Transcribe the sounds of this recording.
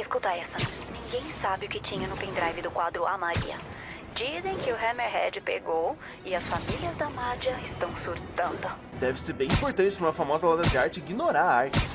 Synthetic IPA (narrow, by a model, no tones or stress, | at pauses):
ɪskut̪aɛsɐnĩŋɡẽj̃sabɪʊkɪt͡ʃĩɲɐnʊpẽd̪ɾajvɪd̪ʊkwad̪ɾʊamaɾḭɐ̰ | d͡ʒizẽj̃kɪʊɦɛmeɾɦɛd͡ʒɪpḛɡow | ɪɐsfamiliɐzd̪ɐmad͡ʒɐɪst̪ɐ̃w̃suɾt̪ɐ̃nd̪ʊ | d̪ɛvɪseɾbẽj̃ĩpoɾt̪ɐ̃nt͡ʃɪpɾumɐfamɔzɐlɐ̃d̪ɐd͡ʒɪaɾt͡ʃɪiɡinoɾaɾaɾt͡ʃɪ̥s